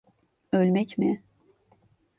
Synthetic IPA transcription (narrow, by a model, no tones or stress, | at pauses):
ølʲmɛcmɪ